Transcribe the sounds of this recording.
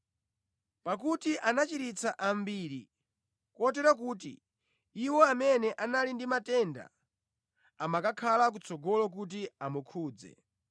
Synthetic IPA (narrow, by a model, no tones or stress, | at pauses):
pak̬utiʔanat͡ʃiɾit͡saʔambiɾi | kɔt̬ɛɾak̬uːtḭ | iwɔamɛnɛʔanalindimatɛnda̰ | amakakʰalak̬ut͡sɔɡɔlɔk̬ut̬iamukʰuːd͡zɛ̰